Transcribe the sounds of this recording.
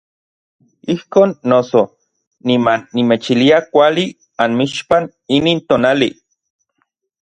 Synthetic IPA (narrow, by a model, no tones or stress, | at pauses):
ihkoːnːoso | nimanːimet͡ʃiliakʷali | anmiʃpan | iniːnt̪oːnali